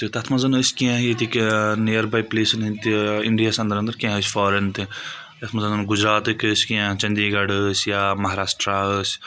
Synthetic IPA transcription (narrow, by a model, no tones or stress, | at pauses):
t̪it̪ɐt̪ʰmɐzɐnəsʲkiãɦjit̪iknejɐɾbajpleːsɐnɦint̪iiɳɖijaːsɐ̃nd̪ɐɾɐnd̪ɐɾkĩãɦəsʲfɔːɾent̪i | t̪ɐt̪ʰmɐzɐnɐnɡud͡ʒɾaːt̪ɨkisʲkiãt͡ʃɐ̃nd̪iɡɐɽəsjaːmɐɦaɾaːsʈɾaəs